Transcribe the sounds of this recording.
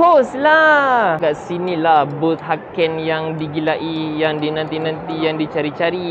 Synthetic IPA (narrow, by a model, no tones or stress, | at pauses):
koslakaʔsinilahbʊt̪̚ɦakɛnjaŋdiɡilaʔijaŋdinãnt̪inãnt̪ijaŋdit͡ʃaɾit͡ʃaɾi